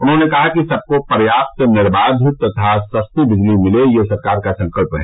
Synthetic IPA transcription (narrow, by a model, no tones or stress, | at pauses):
ʊnɦõnekɐɦakisɐb̚kopɐɾjaːp̚t̪nɪɾbaːd̪ʱt̪ɐt̪ʰasɐst̪ibɪd͡ʒlimɪlejesɐɾkaːɾkasɐ̃ŋkəlpɦɛ̰̃ː